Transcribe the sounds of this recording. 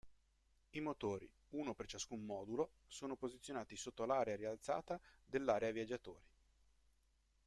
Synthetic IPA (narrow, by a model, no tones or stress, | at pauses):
imot̪oːɾḭ | uːnopert͡ʃaskumːɔːd̪ulo | soːnopozit̪sʲːjonaːt̪isot̪ːolaːɾeaɾialt̪sa̰ːt̪ad̪elːaːɾeavjad͡ʒːat̪o̰ːɾi